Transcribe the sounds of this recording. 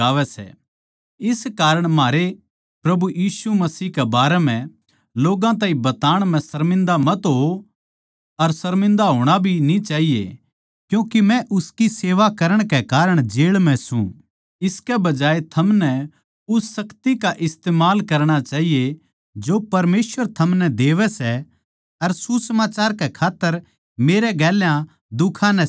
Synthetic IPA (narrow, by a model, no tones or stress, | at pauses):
aːʋɛsɛ̰ | ɪskaːɾəɽ̃maːɾe | pɾɐbujiːsumɐsiːkɛbaːɾɛm̤ɛ̃ | loːɡãt̪aːĩbɐt̪aːɽ̃m̤ɛ̃sɐɾmɪ̃nd̪amɐt̪ɦo | ɐɾsɐɾmɪ̃nd̪aɦoːɽ̃abʱinĩt͡ʃaːɦijḛ | kjũːkemɛ̃ʔʊskiseːʋakɐɾəɽ̃kekaːɾəɽ̃d͡ʒeːɭmɛ̃sṵ̃ | ɪskɛbɐd͡ʒaːet̪ʰɐmnɛ | ʊsːɐkt̪ikaʔɪst̪eːmaːlkɐɾɽ̃at͡ʃaːɦije | d͡ʒopɐɾmeːsʋəɾt̪ʰɐmnɛd̪eːʋɛsɛ | ɐɾsusəmaːt͡ʃaːɾkɛkʰaːt̪ːəɾ | meːɾɛɡɛːljã | d̪ʊkʰãnɛ